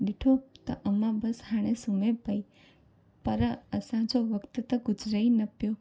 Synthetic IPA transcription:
ɖiʈʰot̪o̰ʔəmãbəshãɽ̃esumepəj | pəɾaəsãd͡ʒoʋəkt̪ət̪əɡʊd͡ʒɾəinəpjo

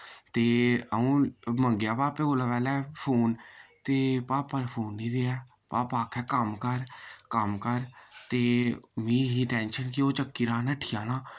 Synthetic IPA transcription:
t̪eːəũːməŋɡjaːpaːpeːoːlaːpɛːlɛːpʰoːnt̪eːpaːpəɾpʰuːnːĩːd̪eːɛː | paːpaːkʰɛːkəmkəɾkəmkəɾt̪eːmĩːɦiːʈɛːnʃənkɪoːt͡ʃəkːiːɾãːnəʈʰijãːnãː

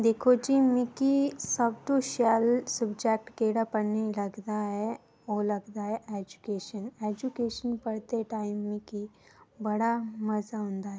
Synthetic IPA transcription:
d̪eːkʰot͡ʃimĩkisɐbʈuʃalsubd͡ʒɛk̚ʈkeːɽapəɽnilɐɡd̪aɦɛ | olɐɡd̪aɦɛʔeːd͡ʒukeːʃəneːd͡ʒukeːʃənpɐɽt̪eʈaːɪmːĩkibɐɽamɐzaɦõːnd̪aɦɛ

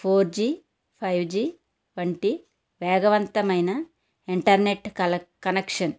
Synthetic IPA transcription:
pʰoːɾd͡ʒiː | pʰɐjʋd͡ʒiː | ʋɐɳʈi | ʋɛːɡɐʋɐnt̪ɐmɐjnɐ | iɳʈɐɾneʈɐkɐnekʂɐn

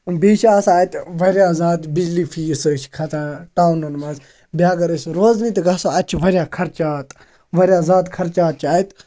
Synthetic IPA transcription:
biːʃaːsaːit̪ʋɐɾjaːzaːt̪bid͡ʒliːfʰiːsəːt͡ʃʰkʰɐt̪ʰaʈaːwnɐnmɐz | bjaːɡɐɾəsɾoːznit̪ɡɐsoɐt͡ʃʰʋɐɾjaːkʰɐɾt͡ʃaːt̪ | ʋɐɾʲjaːzaːt̪kʰɐɾt͡ʃaːt̪̚t͡ʃʰaːit̪

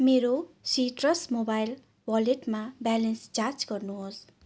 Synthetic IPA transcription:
meɾosiʈrʌsmobajl | wʌleʈmabalenst͡sard͡zɡʌrnuɦos

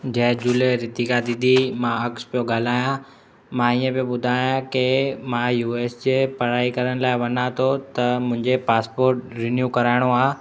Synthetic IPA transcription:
d͡ʑɐ̃ɦd͡ʑuːleɾɪt̪ikad̪id̪imãɐkspijoɠaːl̤aːjã | mãiːə̃bioɓʊd̪ʱaːjãkemãjuːeːsd͡ʑeːpɐɾaːikɐɾəɽ̃̆laːɪʋɐnat̪ʰot̪ɐmʊ̃ɦɪ̃ɲd͡ʑepaːspoːɾʈɾɪnjuːkɐɾaːɪɽ̃oaː

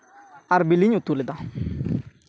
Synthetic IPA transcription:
aɾbiliɲut̪uled̪ã

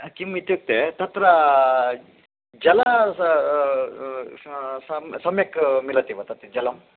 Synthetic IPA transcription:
kimit̪juk̚t̪et̪ɐt̪ɾɐ | d͡ʒɐlɐ | sɐmsɐmjɐkmilɐt̪iʋɐt̪ɐt̪id͡ʒɐlɐm

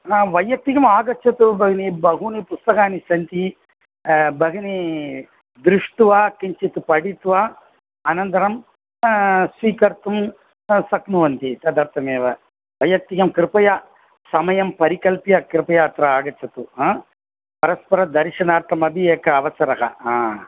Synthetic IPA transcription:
aʋɐjːɐk̚t̪ikɐmaːɡɐt͡ʃʰɐt̪ubɐɡɐnibɐɦunipust̪ɐkaːnisɐnt̪i | bɐɡɐni | d̪ɾuʂʈuʋaːkiɲt͡ʃit̪upɐɽit̪ʋa | ɐnɐnt̪ɐɾɐm | sʋiːkɐɾt̪um | sɐknuʋɐnt̪it̪ɐd̪ɐɾt̪ʰɐmeːʋɐ | bɐjɐk̚t̪ijɐmkɾɪpɐjɐ | sɐmɐjɐmpɐɾikɐlpjɐkɾɪpɐjaːt̪ɾɐaːɡɐt͡ʃʰɐt̪ua | pɐɾɐspɐɾɐd̪ɐɾiʃɐnaːɾt̪ʰɐmɐbʱieːkɐːʋɐsɐɾɐɦɐ̰aː

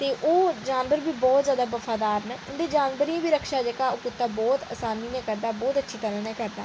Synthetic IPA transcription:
t̪eːʔoːd͡ʒaːnʋəɾbiːbɔːt̪zjaːd̪aːbəfʰaːd̪aːɾnʊnd̪eːd͡ʒaːnʋəɾiːãːbiːɾəkʰʃaːd͡ʒeːkaːoːkʊt̪ːãːbɔːt̪a̰ːsaːniːnɛ̃ːkəɾd̪aːbɔːt̪ətːʃʰiːt̪əɾãːnɛ̃ːkəɾd̪aː

